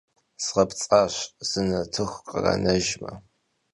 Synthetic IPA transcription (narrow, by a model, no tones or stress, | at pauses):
sʁɐpt͡sʼaːɕz̥ɨnɐtʰɨxʷqərɐ̰nɐʒmɐ